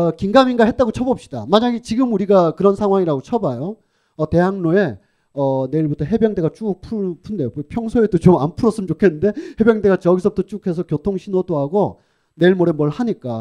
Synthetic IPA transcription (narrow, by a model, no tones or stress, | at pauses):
kiŋɡaminɡaɦet̚t͈aɡot͡ɕʰʌbʌp̚ɕ͈i̥d̥a̰maɲaɡit͡ɕiɡɯmuɾiɡakɯɾʌnsʰaŋɦwaŋiɾaɡot͡ɕʰʌbajo | ʌte̞ɦaŋnoe̞ | ʌne̞iɭbutʰʌɦe̞bjʌŋde̞ɡat͡ɕ͈upʰupʰunde̞jopʰjʌŋsʰoe̞dot͡ɕomanpʰuɾʌs͈ɯmt͡ɕokʰenːɯnde̞he̞bjeŋde̞ɡat͡ɕʌɡisʰʌbutʰʌt͡ɕ͈ukʰe̞s̬ʰʌkjotʰoŋɕʰinodoɦaɡo | ne̞iɭmoɾe̞mwʌɭhaɲik͈a